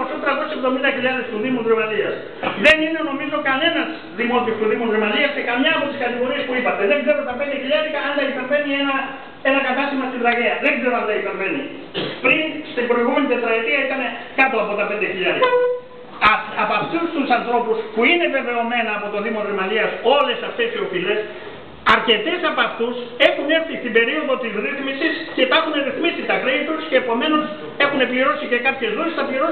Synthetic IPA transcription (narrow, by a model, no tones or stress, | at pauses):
osut̪ɾaðot͡ʃepðomild̪akiʎaɾðest̪uðimunrimalias | ðeninonomizokalenas | ðimot̪ist̪uðimunrimaliaskekamɲaːpot̪iskat̪eɣoɾiespuipat̪ed̪eŋeɾot̪ap̬end̪ekiʎeɾikaand̪akit̪ambeniena | enakat̪asimast̪iðaɣeaðeŋkɾeβand̪ait̪ambeni | pɾinst̪epɾojɣumend̪est̪ɾaet̪iait̪anekɐt̪o̞ɐpo̞t̪ɐpe̞nd̪eçiʎɐɾiɐ | ɐpɐft̪ust̪usɐnθɾo̞puspuine̞ve̞ve̞o̞me̞nɐːpo̞t̪o̞ðimo̞ðɾemɐliɐso̞le̞sɐft̪e̞sio̞file̞s | ɐɾce̞t̪e̞sɐpɐft̪use̞xune̞ɾθist̪ibe̞ɾio̞ðo̞t̪izɾiθmisisce̞t̪ɐxune̞ɾiθmisit̪ɐkɾejt̪usce̞ːpo̞me̞no̞s | e̞xune̞pliɾo̞sice̞kɐpçe̞zðuestɐpliɾo